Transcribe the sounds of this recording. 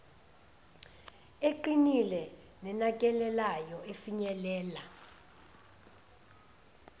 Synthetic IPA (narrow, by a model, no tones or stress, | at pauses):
eǃinilɛ | nɛnakʼɛlɛlajɔefiɲɛlɛːla